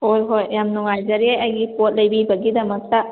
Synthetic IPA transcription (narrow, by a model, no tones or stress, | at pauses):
hojɦojːamnɔŋajzɐɾiejɐjɡipot̚lɐjbibɐɡidɐmɐk̚tɐ